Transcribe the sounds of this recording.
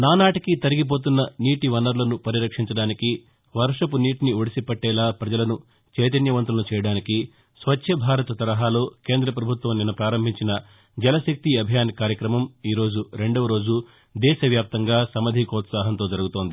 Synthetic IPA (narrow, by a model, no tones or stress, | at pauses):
naːnaːʈikit̪ɐɾiɡip̬o̞ːt̪̬unːɐniːʈiʋɐnɐɾlɐnupɐɾiɾɐkʂiɲt͡ʃɐɽaːniki | ʋɐɾʂɐpuniːʈinioɽisipɐʈːɛːlaːpɾɐd͡ʒɐlɐnu | t͡ʃɛːt̪̬ɐnjɐʋɐnt̪̬ulɐnut͡ʃɛːjɐɽaːniki | sʋɐtːʃʰɐbʱaːɾɐt̪ɐt̪ɐɾɐɦaːlo̞ːke̞ːnd̪ɾɐp̬ɾɐbʱut̪ʋɐmninɐpɾaːɾɐmbʱiɲt͡ʃinɐ | d͡ʒɛlɐʃɐk̚t̪iɐbʱijaːnkaːɾjɐkɾɐmɐmiːɾo̞ːd͡ʒuɾe̞ɳɖoʋɐɾo̞ːd͡ʒu | d̪ɛːʃɐʋjaːp̚t̪ɐŋɡaːsɐmɐd̪ʱikɔːt̪saːɦɐnt̪o̞ːd͡ʒɐɾuɡut̪o̞ːnd̪i